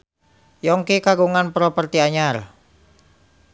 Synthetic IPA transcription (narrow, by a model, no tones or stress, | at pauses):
jɔŋkikaɡuŋanpɾɔpərt̪iaɲar